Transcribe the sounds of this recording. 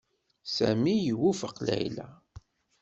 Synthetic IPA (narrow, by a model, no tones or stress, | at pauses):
sæmijəwufəqlæ̰jlæ